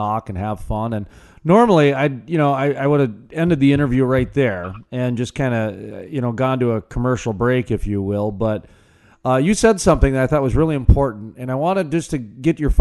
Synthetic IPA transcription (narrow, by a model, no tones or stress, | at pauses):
ɔkɨ̃nɨv̥fʌ̃nɨ̃n | nɔɹml̩ˠiaɪjɨñoʊaɪaɪwʊɾɨɛ̃ndɨd̪̚ðiɪ̃ɾ̃ə˞vjʉɹaɪt̪̚ðə˞ɨ̃nd͡ʒʌskʰãɪ̃ndɨʌjɨñoʊɡɑ̃ntɨəkʰəmɜ˞ʃl̩ˠbɹeɪkɨfjɨwɪlˠbʌt̚ | ʌjɨsɛdsʌ̃mθɪ̃ŋðɨɾaɪθɔt̚wʌzɹɪlˠiɨ̃mpʰɔɹʔn̩tɨ̃ñaɪwɑ̃ɾ̃ɨd̚d͡ʒʌstʰɨɡɛt͡ʃə˞f